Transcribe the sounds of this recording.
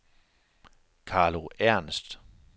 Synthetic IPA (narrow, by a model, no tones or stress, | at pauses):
kʰɑ̈ːloæɐ̰nsd̥